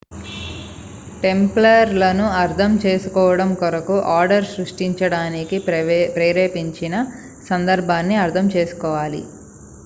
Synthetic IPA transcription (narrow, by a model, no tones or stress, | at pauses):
ʈe̞mplɐɾlɐnuɐɾd̪ʱʰɐmt͡ʃeːsukɔːʋɐɽɐmkɔɾɐkuʔaːɾɖɐɾsɾuʂʈiɲt͡ʃɐɽaːnikipɾeːɾeːpiɲt͡ʃinɐ | sɐnd̪ɐɾbʱaːnːiɐɾt̪ʰɐmt͡ʃe̞ːsu̥kɔːʋaːlḭ